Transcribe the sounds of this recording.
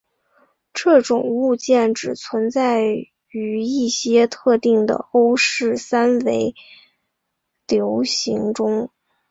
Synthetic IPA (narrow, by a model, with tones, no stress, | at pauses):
ʈ͡ʂɤ˥˩ʈ͡ʂʊ˨˩ŋu˥˧t͡ɕjɛ˥˩nʈ͡ʂɻ̩˨˩t͡sʰwə˧˥nt͡sa˥˩ɪ | y˧˥i˥˩ɕjɛ˥t̪ʰɤ˥˧t̪i˥˩ŋd̪ə̰˩o˥ʊʂɻ̩˥˩sa˥nwe˧˥ɪ | ljo˧˥ʊɕi˧˥ŋʈ͡ʂʊ˥ŋ